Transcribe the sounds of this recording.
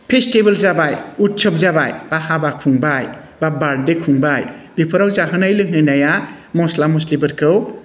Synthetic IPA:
pʰestibəlzabajut̚t͡ʃʰɔp̚zabajb̥ahabakʰuŋbaj | babaɾ̚dekʰuŋbajb̥ipʰɯɾawzaɦɯnajlɯŋɦɯnaja | mɔslamuslibɯɾkʰɯw

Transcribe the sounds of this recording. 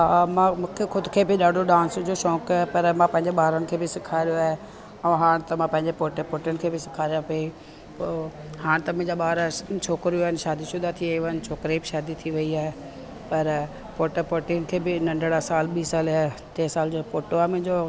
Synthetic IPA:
ɦaːmãmũːkʰexʊd̪ʊkʰeːbɪɗaːɖʱoɗãːnsd͡ʑoːʃɔ̃ːkaːepɐɾmãpɐ̃ɦɪ̃ɲd͡ʑeɓaːɾənɪ̆kʰeːbɪsɪkʰaːɾijoaːɦe | ɐ̃ɦaːɽ̃t̪ɐmãpɐ̃ɦɪ̃ɲd͡ʑepoːʈepoːʈiənɪkʰeːbɪsɪ̥kʰaːɾijãpei | poːhaːɽ̃t̪ɐmʊ̃ɦɪ̃ɲd͡ʑaɓaːɾt͡ɕʰoːkɾijuaːɪnɪʃaːd̪isʊd̪ʱat̪ʰieːaːnɪ̆t͡ɕʰoːkɾibɪʃaːd̪it̪ʰiʋɐiaːɦe | pɐɾ | poːʈepoːʈiənɪ̆kʰeːbɪnɐ̃ɳɖɽasaːlɓiːsaːlat̪eːsaːld͡ʑoːpoːʈoaːmʊ̃ɦɪ̃ɲd͡ʑo

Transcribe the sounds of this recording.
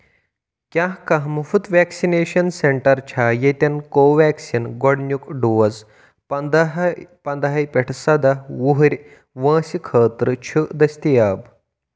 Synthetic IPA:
kʲjãɦkɐɦmɐfut̪ʋæksineːɕɐnseɳʈɐɾt͡ɕʰajet̪ʲɐnkoːʋɛksinɡɔɽnʲjukɖuʋɐz | ɐd̪ɦpɐnd̪ɐɦɐjpʲeʈʰsɐd̪auɦɾʲ | ʋɐ̃ːsikʰəːt̪ɾɨt͡ɕʰud̪ɐst̪ijaːb

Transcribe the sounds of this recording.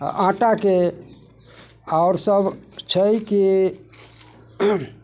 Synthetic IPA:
ãʈake | aʊɾsəbt͡ʃʰəjki

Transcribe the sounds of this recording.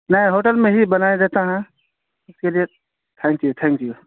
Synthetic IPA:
nəĩɦoːʈəlmẽɦibənajed̪et̪aɦɛ̃ | ʊskelije | t̪ʰɛ̃ŋkjut̪ʰɛ̃ŋkju

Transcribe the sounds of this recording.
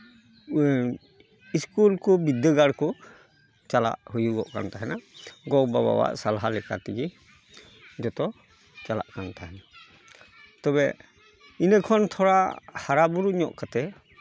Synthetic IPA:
iskulkɔbid̪əɡaɽkɔ | t͡ʃala̰ʔhujuɡɔʔka̰nt̪aɦɛnaɡɔbaba̰wa̰ʔsalaɦalɛka̰t̪iɡi | d͡ʒɔt̪ɔ | t͡ʃala̰ʔkant̪ʰaɦɛna | t̪ɔbɛ | inəkʰɔnt̪ʰɔɾahaɾabuɾuɲɔ̰ʔkat̪ɛ

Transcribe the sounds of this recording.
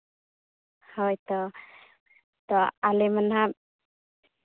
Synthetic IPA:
hɔjt̪ɔ | t̪ɔalɛmənɦa

